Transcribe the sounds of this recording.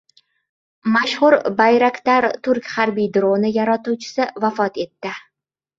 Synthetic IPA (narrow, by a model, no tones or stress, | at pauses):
maʃhʊɾbajɾakʲt̪aɾt̪ʰʊɾkʲhaɾbijd̪ɾonɪjaɾat̪uwt͡ʃʰɪ̥sɪvafɒt̪e̞t̪ːɪ